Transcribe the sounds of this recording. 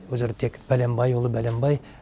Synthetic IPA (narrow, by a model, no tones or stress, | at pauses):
wɵzeɾt̪ʰekb̥ælembɑjwolˠəbælembɑj